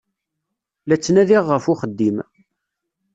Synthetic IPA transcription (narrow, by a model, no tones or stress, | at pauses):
læt͡sːnæðiʁːəfʊχəd̪ːim